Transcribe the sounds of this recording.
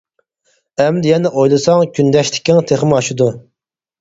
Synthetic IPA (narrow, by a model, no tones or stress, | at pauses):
ɛmd̪jɛnɛʔojlˠɨsɑŋkʲʰynd̪ɛʃt̪ʰɪ̥kʲːɪŋt̪ʰeχɪmɑʃud̪u